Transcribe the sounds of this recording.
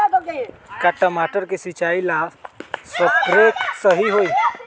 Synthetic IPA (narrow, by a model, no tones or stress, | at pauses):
kaʈəmaʈəɾkesit͡ʃaːilasət̪ɾeksəɦiɦoi